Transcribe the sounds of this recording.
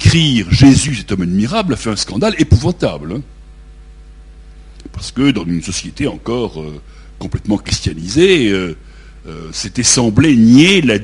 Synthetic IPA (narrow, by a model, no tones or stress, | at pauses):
kχiːʁʒezysɛt̪ɔmad̪miʁablafɛɛ̃skɑ̃d̪alepuvɑ̃t̪a̰bl | paʁsə̥kəd̪ɑ̃zynsɔsjet̪eɑ̃kɔʁø | kɔ̃plɛt̪mɑ̃kχist̪janizeø | øset̪ɛsɑ̃blɛnjela